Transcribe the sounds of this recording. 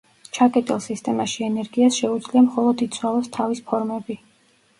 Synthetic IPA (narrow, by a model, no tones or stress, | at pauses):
t͡ʃʰakʼɛt̪ʼilˠsist̪ʼɛmaʃiɛnɛɾɡiasʃɛud̪z̥liamχɔlˠɔd̪it̪sʰwalˠɔst̪ʰavispʰɔɾmɛbi